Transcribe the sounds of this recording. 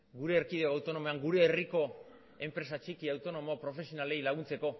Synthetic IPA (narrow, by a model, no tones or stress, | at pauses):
ɡuɾe̞ːɾkiðeoawt̪o̞no̞meaŋɡuɾe̞ːriko̞ | e̞mpɾe̞sat͡ʃikiawt̪o̞no̞mopɾo̞fe̞sionale̞jlaɣ̞unt͡se̞ko̞